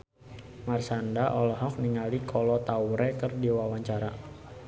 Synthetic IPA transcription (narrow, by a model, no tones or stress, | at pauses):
marsandaʔɔlɔɦɔk̚niŋalikʰɔlɔt̪auɾɛkɨrdiwawaɲt͡ʃaɾa